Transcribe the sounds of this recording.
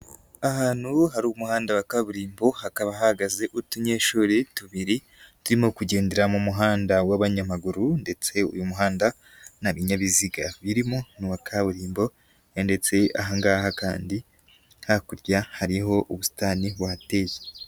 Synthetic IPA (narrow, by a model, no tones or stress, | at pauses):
ahaːn̥huhaɾuːwumuhaːndawakaβuɾiːmbo̞hakaβaɦahaɡaze̞ʔutuɲe̞ːʃuːɾetuβiɾi | tuɾimokuɟe̞ːndeɾamumuɦaːndawaβaɲamaɡuɾunde̞t͡se̞ṵjumuɦaːnda | naβiɲaβiziɡaβiɾimo̞nuwakʰaβuɾiːmbo̞ | nde̞t͡se̞a̰ɦaŋɡaːhaka̰ːndi | hakuɾɟahaɾiɦo̞ʔuβusi̥taːniβwaate̞ːje